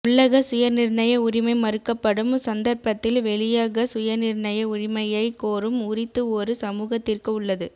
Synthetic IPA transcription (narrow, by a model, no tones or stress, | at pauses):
ʊɭːɐɣɐsʊjɐɾnɪɾɳɐjɐʊɾɪmɐɪmɐɾɯkːɐpːɐɽɯmsɐnd̪ɐɾpɐt̪ːɪlʋɛɭɪjaɣɐsʊjɐɾnɪɾɳɐjɐʊrɪmɐjɐɪkoːɾɯmʊrɪt̪ːɯɔɾɯsɐmuːɣɐt̪ːɪrkɯʊɭːɐðɯ